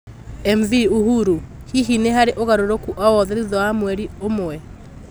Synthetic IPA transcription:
ɛmviuɦuɾu | hiɦineɦaɾeʔoɣaɾoɾokuʔɔwɔðɛðiðɔwamwɛɾiomoɛ

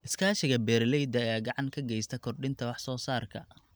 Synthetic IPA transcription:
ʔɪskʰaːʃɪɣɐbɛːɾlɛjd̪ɐjaːɡɑʕɑŋkʰɐɡɛjst̪ʰɐkʰɔrɖɪnt̪ʰɐwɑħsɔːsaːrkʰɐ̰

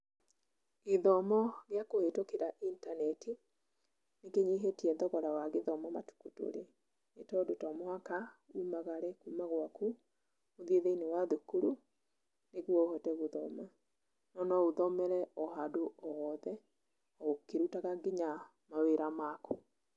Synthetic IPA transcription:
eðɔmɔɣeakoetokeɾaʔintanɛtʰi | nekeɲiɦetiɛðɔɣɔɾawaɣeðɔmɔmatu̥kuto̰ɾe | netɔdotɔmwakaumaɣaɾɛkumaɣwaku | moðeðeinewaðukuɾu | neɣwɔohɔtɛɣoðɔma | nɔnɔoðɔmɛɾɛɔɦadoɔwɔðɛ | ɔokeɾutaɣaɡiɲa | maweɾamako

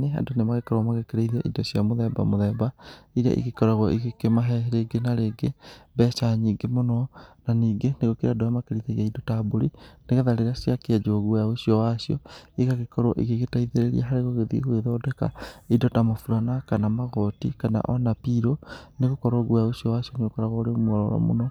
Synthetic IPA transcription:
nea̰ndonemaɣekɔɾwamaɣekeɾeiða̰ʔḭdɔsjamoðɛba̰moðɛbaiɾa̰ʔḭɣekɔɾaɣwɔʔiɣekemaɦɛɾeɡenaɾeɡebɛʃaɲiɡemonɔnaniːɡeneɣokeɾadojamakeɾiðeɾiaidɔtaboɾineɣɛðaɾeɾasjakad͡ʒoɣwjaosiɔwasiɔ̰iɣaɣekɔɾwɔʔiɣeɣetaiðeɾeɾiaɦaɾeɣoɣeðḭɣoeðɔdɛka̰idɔtamofuɾanakanamaɣɔtḭkana̰ʔɔnapiɾoneɣokɔɾɔɣwjaosijɔwasjɔneɣokɔɾaɣɔoɾemwɔɾɔɾa̰mo̰nɔ

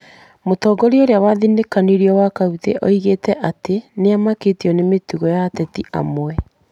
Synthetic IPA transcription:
motɔːɡɔɾioɾeawaðinekaniɾiɔwakauðḛʔɔiɣeːtɛʔateneamaketiɔnemetuɣɔjatɛtiʔa̰mwɛ

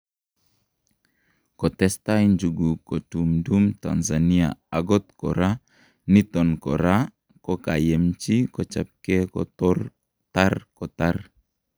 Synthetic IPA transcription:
kɔt̪ɛstajnd͡ʒuɡukotumdumta̰nzania̰aɡɔt̪̚kɔ̰ɾa | nit̪ɔnkɔ̰ɾa | kokajemt͡ʃikɔt͡ʃap̚kekɔ̰tɔr | t̪arkɔt̪ar

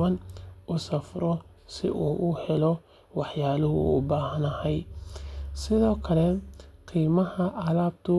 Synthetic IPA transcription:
ɐnʔʊsɐfɾɔ | sɪ̰ʔuːʔʊhɛlɔ | wɑħjaːlʊɦʊ̰ʊ̰baːɦɐnɐhɐj | sɪðɔːkʰɐlɛqʰiːmɐhɐʔɐlaːb̚t̪ʰʊ

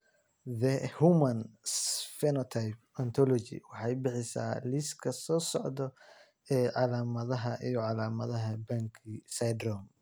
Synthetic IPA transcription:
ðɛhumɐnsfɛnɔt̪ʰajp̚ɐnt̪ʰɔlɔt͡ʃɪ̰wɑħɑjbɪħɪsa̰ːlɪskʰɐsɔːsɔʕd̪ɔ | ɛːʕɑlaːmɐðɐɦɐʔijɔʕɑlaːmɐðɐɦɐbɐŋkʰisɐjd̪rɔm

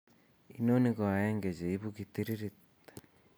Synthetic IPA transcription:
inoniɣoajeːŋɡed͡ʑeiβukit̪iɾiɾit̪e̥

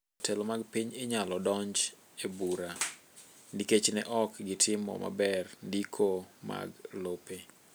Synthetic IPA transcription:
tʰɛlomaɡpiɲeɲalɔdɔɲd͡ʒ | ebuɾa | niket͡ʃnɛʔɔkɡɪtɪmɔ̰ma̰bɛrndikʰoma̰ɡlope

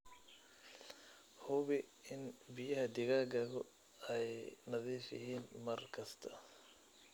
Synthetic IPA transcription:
hʊβɪɪnbɪjɐɦɐd̪ɪɣaːɡɐɣɔ | ɛjnɐðiːfjɪ̰ɦiːnmɐrkʰɐst̪ʰɐ̥

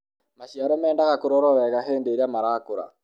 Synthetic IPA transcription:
maʃiaɾɔmɛːndaɣakoɾɔɾɔɾɛɣaɦeːndeːɾamaɾaːkoɾa̰

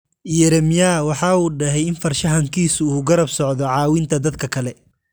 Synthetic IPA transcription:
jɛɾɛmjawɑħɑːuːɖɛɦɛjɪnfɐrʃɐɦɐŋkʰiːsʊuːɡɐɾɐbsɔʕd̪ɔʕɑːwɪnt̪ʰɐd̪ɐd̪kʰɐkʰɐlɛ

